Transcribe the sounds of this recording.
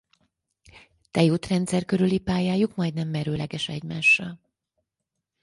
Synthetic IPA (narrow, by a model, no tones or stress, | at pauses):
t̪ɛjuːt̪rɛnt̪sɛrkøɾylipaːjaːjukmɒjd̪nɛmːɛɾøːlɛɡɛʃɛɟmaːʃːɒl